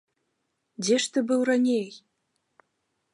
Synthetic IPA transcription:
dʲeʃt̪ɘ̆bɨwranʲej

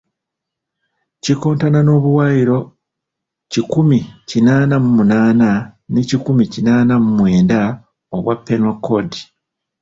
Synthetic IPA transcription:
ciko̞ːntanano̞ːβuwaːjiɾo̞ | cikumicinaːnamumunaːnanicikumicinaːnamumwe̞ːnda | oβwapːenokʰːodi

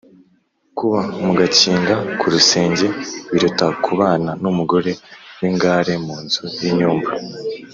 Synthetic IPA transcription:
kuβamuɡaciːŋɡakʰuɾuse̞ːɲɟe̞βiɾutakʰuβaːnanumuɡo̞ɾe̞wiŋɡaːɾe̞muːnzujiɲuːmva

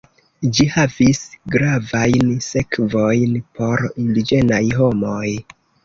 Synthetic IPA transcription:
d͡ʒihavisɡɾavajnse̞kvojnpʰo̞ɾindid͡ʒe̞najɦo̞moj

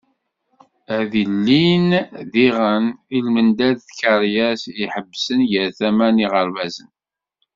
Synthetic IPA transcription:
æðilːinðiʁənilmənd̪æðθkaɾjæsiħəbːsənjəɾθæmæniʁəɾvæzən

